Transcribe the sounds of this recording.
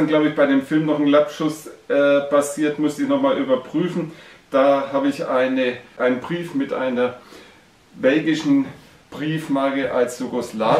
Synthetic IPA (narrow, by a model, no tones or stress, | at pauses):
anɡ̥laʊbəɪçb̥aɪɾeːmfɪlmnɔχn̩lapʃʊsʔɛːpʰasiːɐtmʊstəɪçnɔχmaːlʔyːbɐpʁ̥yːfn̩d̥aːhaːbəɪçʔaɪnəʔaɪnənbʁiːfmɪtʔa̰ɪnɐ | bɛlɡɪʃn̩ | b̥ʁiːfmaːɡəʔalsj̥uɡoslaː